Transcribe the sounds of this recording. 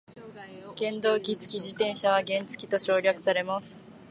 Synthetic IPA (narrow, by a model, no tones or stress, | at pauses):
ɡ̥ẽ̞nd̪o̞ːɡʲit͡sɨ̥kʲid͡ʑit̪ẽ̞ɰ̃ɕaβaɡẽ̞nt͡sɨ̥kʲi̥t̪o̞ɕo̞ːɾʲakɯ̟̥saɾe̞masɨ̥